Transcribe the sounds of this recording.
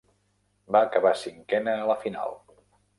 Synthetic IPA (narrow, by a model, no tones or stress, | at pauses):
baːkəβasiŋkɛnəːləfina̰lˠ